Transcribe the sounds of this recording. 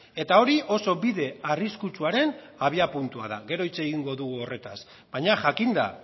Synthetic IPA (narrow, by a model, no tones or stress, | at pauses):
e̞t̪ao̞ɾiʔo̞so̞biðe̞ariskut͡suaɾe̞n | aβiapunt̪ua̰ða̰ɣe̞ɾo̞it͡seːɣiŋɡo̞ðuɣuo̞re̞t̪as | bajɲaʝakind̪a̰